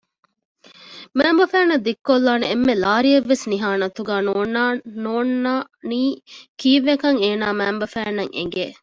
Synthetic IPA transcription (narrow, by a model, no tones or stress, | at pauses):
mæːmbɐfæːnɐd̪ikːolːaːneemːelaːɾieʋːesniɦaːnɐt̪uɡæːnoːnanoːnaːniːkiːʋːekɐŋeːnaːmæːmbɐfæːnɐŋʔḛŋ̆ɡeː